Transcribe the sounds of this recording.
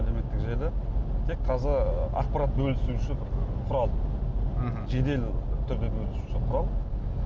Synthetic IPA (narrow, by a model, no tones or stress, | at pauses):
æle̞me̞t̪ːɪkʒeɾd̪ɪt̪ʰe̞kqʰɑzɪɾɑ̰q̚pɑɾat̪̚bɵlɪsuʃɪbɪɾqʰʊɾɑlˠ | ʒe̞d̪e̞lt̪ʰʏɾd̪e̞bɵlɪsuʃɪqʰʊɾɑlˠ